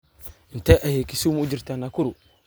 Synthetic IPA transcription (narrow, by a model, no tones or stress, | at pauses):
inteʔajekisumud͡ʒiɾtanakuɾu